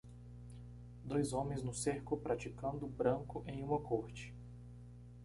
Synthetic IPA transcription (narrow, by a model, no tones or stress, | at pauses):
d̪ojzõmẽj̃znʊseɾkʊpɾat͡ʃikɐ̃nd̪ʊbɾɐ̃ŋkʊʔẽj̃ũmɐkoɾt͡ʃɪ̥